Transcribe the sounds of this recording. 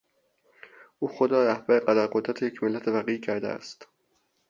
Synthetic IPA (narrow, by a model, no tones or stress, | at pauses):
ʔuːxod̪ɾɒːɾæhb̥æɾeɢæd̪æɾɢod̪ɾæt̪ʰejecʰmelːæt̪ʰevæɣiːcʰæɾd̪ḛæ̰st̪